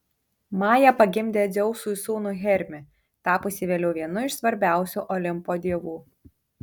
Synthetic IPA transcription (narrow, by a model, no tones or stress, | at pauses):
mɑːjɛpɐɡʲɪmʲd̪ʲeːzʲɛʊsuːɪsuːnʊɣʲɛɾʲmʲɪ | t̪ɑːpoːsʲɪʋʲeːlʲɛʊʋʲiɛnʊɪʃsʋɐɾʲbʲæˑʊsʲuːʔɔlʲɪmpoːd̪ʲiɛʋuː